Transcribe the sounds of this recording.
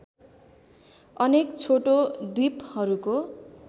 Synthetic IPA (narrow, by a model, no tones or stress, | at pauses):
ʌnekt͡sʰoʈoɖiphʌɾuko